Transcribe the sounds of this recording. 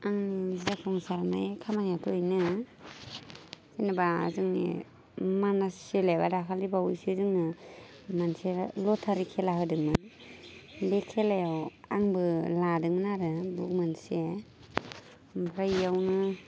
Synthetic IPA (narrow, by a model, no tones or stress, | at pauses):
aŋnizidakʰɔŋsaɾnajkʰamanjatʰujnɯ | kinɯba̰zɯŋnḭ | manaselajbadakʰaldibawujsizɯŋnɯ | manselɔtʰaɾikʰelaɦɯdɯŋmɯ | bekʰelajawaŋbɯladɯŋmɯnaɾɯbuk̚manse | mpʰɾajːawnɯ